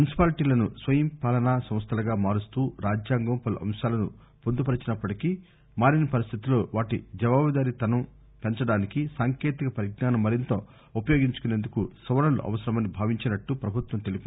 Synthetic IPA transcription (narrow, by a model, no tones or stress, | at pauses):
munisi̥paːliʈiːlɐnusʋɐjɐmpaːlɐnaːsɐmst̪ʰɐlɐɡaːmaːɾust̪uːɾaːd͡ʒjaːŋɡoːpɐluʔɐ̰msaːlɐnṵ | pond̪upɐɾɐt͡ʃinɐpːɐʈikiː | maːɾinɐpɐɾist̪ʰit̪iloːʋaːʈid͡ʒɐʋaːʋid̪aːɾit̪ɐnɐm | pent͡ʃɐɽaːnikisaːŋkeːt̪ikɐpɐɾiɡnaːnɐmːɐɾint̪o̞ː | upɐjoːɡiɲt͡ʃu̥kuneːnd̪ukusɐʋɐnɐlṵʔɐ̰ʋɐsɐɾɐmɐnibʱaːʋiɲt͡ʃinɐʈːupɾɐbʱut̪wʋɐmt̪e̞lupini